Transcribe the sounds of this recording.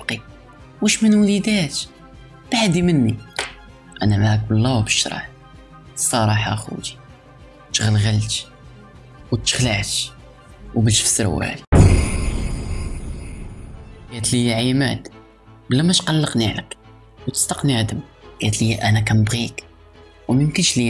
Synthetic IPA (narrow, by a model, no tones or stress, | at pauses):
bqi | wæʃmənwlid̪æt̪ | b̥aʕd̪imənːi | ʔænæmʕk̚bəlːæwbəʃɾˤɑ̰ħ | sˤɑɾˤɑħa̰xṵt̪i̥ | t̪ɣəlɣəlt̪ | wət̪ːə̥xləʕt̪ | wbəlʃfə̥sɾæ̰wæ̰l | ɡæt̪lijːæʕimæd̪ | bəlːæmæt̪qɑlːəqniʕlək | wt̪ə̥st̪ɑqniʕad̪əm | ɡ̥æt̪lijːæʔænækæməbɣik | wməmkənʃli